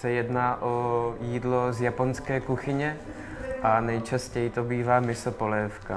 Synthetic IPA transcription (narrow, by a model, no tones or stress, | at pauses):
sɛjɛdnaːʔojiːdlozjaponskɛːkuxɪɲɛ | ʔanɛjt͡ʃascɛjit̪obiːvaːmɪsopolɛːfka